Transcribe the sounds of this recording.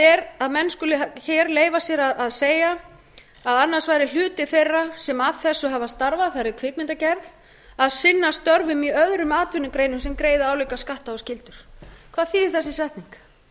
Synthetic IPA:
ɛɾaðmɛnːskʏlɪçɛːɾleːjvasjɛɾaðaðseːja | aðanːar̥svajɾɪl̥ʏːt̪ɪθejrːasɛmaðθɛsːʏɦavast̪aɾvaθaɾɪɾkʰvɪːt̪̚mɪnt̪acɛɾð | aðsɪnːast̪œɾvʏmiœðɾʏmaːt̪vʏnːʏkɾeːjnʏs̬ɛmkɾeːjðaaːwliːkaskaht̪aɔscɪlt̪ʏɾ̥kʰv̥aːðθiðɪθɛsːɪsaht̪niŋk

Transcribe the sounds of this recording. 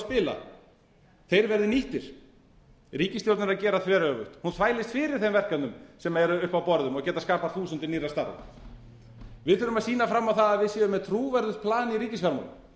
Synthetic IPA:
spɪːla̰ | θejɾvɛɾðɪniht̪ɪɾ̥ | ɾiːcɪst̪jowɾt̪naɾacɛːɾaðθvɛːɾœvʏht̪hunθvaːjlɪst̪fɪːɾɪɾ̥θemvɛr̥kanʏmsɛmaɛɾʏhpawpɔɾðʏmɔɣcɛːt̪askaːpḁθuːsʏnt̪ɪniːrast̪aɾv̰ | vɪðθʏɾʏmaðsiːnafɾamːawθaðaðvɪðsjɛːvʏmɛðt̪ʰɾuːvɛɾðʏpʰlaːnɪiɾiːcɪsvɛɾma̰wl

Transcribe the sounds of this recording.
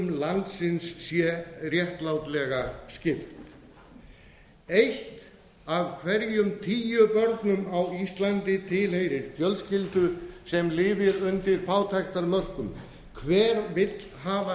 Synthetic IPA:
mlant̪sɪnsːjɛrjɛht̪lawt̪lɛɣascɪft̪ | ejht̪ | avkʰvɛɾjʏmt̪ʰiːjʏpœɾt̪nʏmawist̪lant̪ɪt̪ʰɪlhejɾɪɾt̪ʰjœlscɪlt̪ʏsɛmlɪːvɪɾʏnt̪ɪɾ̥pʰaːwt̪ʰajxt̪aɾmœr̥kʏm | kʰvɛːɾvɪt̪lɦaːva

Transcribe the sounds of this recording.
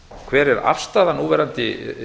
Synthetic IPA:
kʰvɛːɾɛɾa̰r̥st̪aːðanuːvɛɾant̪ɪ

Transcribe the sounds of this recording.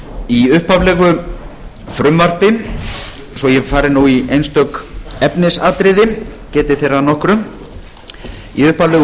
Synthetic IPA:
iʏhpavlɛɣʏ | fɾʏmvar̥pɪ | svɔjɛfaːɾɪɾnuwiejnst̪œkɛpnɪsaːt̪ɾɪðɪcɛːt̪ɪθejɾanɔhkɾʏ | iʏhpavlɛɣ

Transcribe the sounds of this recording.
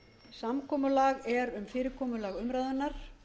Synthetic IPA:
samkʰɔːmʏlaːɣɛɾʏmfɪːɾɪɾkʰɔːmʏlaːɣʏmɾaːðʏnːaɾ̥

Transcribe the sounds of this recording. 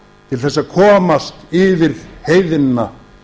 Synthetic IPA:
t̪ʰɪlθɛsːakʰɔːmast̪ɪvɪð̥heːjðɪnːa

